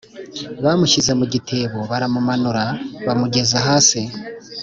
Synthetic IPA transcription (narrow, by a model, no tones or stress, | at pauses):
βamuʃize̞muɟitʰe̞ːβo̞βaɾamumanuɾaβamuɟe̞zaɦaːsi